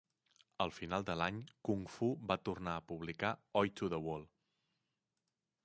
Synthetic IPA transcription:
əlˠfinalˠd̪əlaɲkuŋfuβat̪urnaəpuβlikaɔjt̪uðəwolˠ

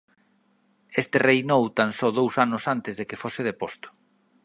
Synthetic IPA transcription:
est̪ɪrejnowt̪ansɔðowsanʊsant̪ɪzðekɪfosɪð̞epost̪ʊ̥

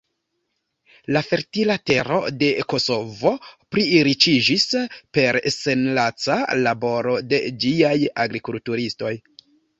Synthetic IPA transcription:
lafe̞ɾtilate̞ɾo̞̰de̞ko̞so̞vo̞pɾiːɾit͡ʃid͡ʒispe̞ɾse̞nlat͡salabo̞ɾo̞de̞d͡ʒiaja̰ɡɾikultuɾisto̞j

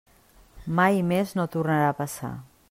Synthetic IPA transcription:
majmeznot̪urnaɾaːpasa̰

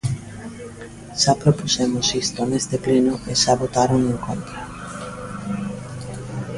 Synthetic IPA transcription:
ʃapɾopusemosist̪onezt̪eplenoʔeʃaβot̪aɾoŋẽŋkont̪ɾa

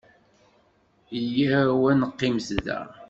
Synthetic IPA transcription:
ijæwænəqːimsðæ̰

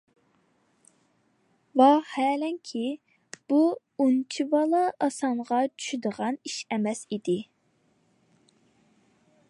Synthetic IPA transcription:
vɑhɛːlɛŋkʲʰi | b̥u | unt͡ʃʰivɑlˠɑɑsɑŋʁɑt͡ʃʰy̥ʃyd̪əʁɑniʃɛmɛsid̪ɪ

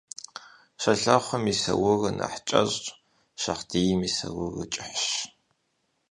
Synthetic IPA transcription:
ɕɐɬɐχʷɔmisɐ̰wʊrɨnɐ̰ħt͡ʃʼɐɕʼ | ɕɐχdiːjmisɐwʊrɨt͡ʃʼɪħɕ

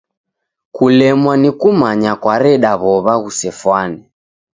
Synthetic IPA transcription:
kulɛmwanikumaɲakwaɾɛɗaβɔβaɣusɛfwanɛ

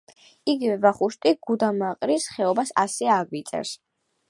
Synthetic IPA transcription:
iɡivɛvaχuʃt̪ʼiɡ̥ud̪amaqʼɾisχɛɔbasa̰sɛaɡvit̪sʼɛ̰ɾs

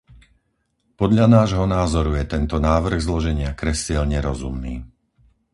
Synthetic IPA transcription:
pɔd̪ʎanaːʒɦɔnaːzɔɾujɛt̪ɛnt̪ɔnaːʋr̩ɣzlɔʒɛɲɪakɾɛsɛʎɲɛɾɔzumniː

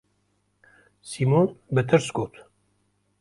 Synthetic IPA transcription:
simoːnbɨt̪ʰɨɾsɡoːt̪

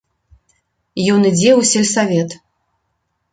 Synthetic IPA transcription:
jɔnɨd͡zʲɛwsʲɛlʲsavʲɛt̪

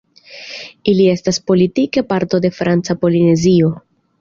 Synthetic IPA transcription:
ilie̞staspo̞litikepaɾto̞de̞fɾant͡sapo̞line̞zio̞

